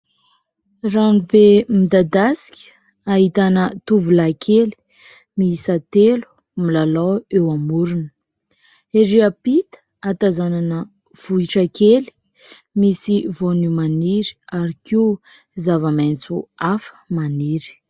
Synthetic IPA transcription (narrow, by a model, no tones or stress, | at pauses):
ranibemid̪ad̪asi̥kʲə̥ | aɦit̪anət̪uvulakʰeli̥ | miisat̪elu̥ | milalawewamuɾunə̥ | eɾiapit̪ə̥ | at̪azananə | v̥uiʈ͡ʂakeli̥ | misivonumaniɾi̥aɾiki | zavəmant͡suafə̥maniɾi̥